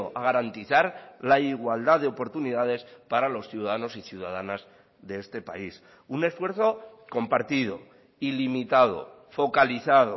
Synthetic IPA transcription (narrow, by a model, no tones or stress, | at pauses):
oʔaɣ̞aɾant̪iθaɾlaiɣwald̪aðe̞opo̞ɾt̪uniðað̞e̞spaɾalo̞sθjuðaðano̞siθjuð̞aðanaz | ðeest̪e̞pa̰is | une̞sfwe̞ɾθo̞ko̞mpaɾt̪iðo̞̰ | ilimit̪að̞o̞̰fo̞kaliθaðo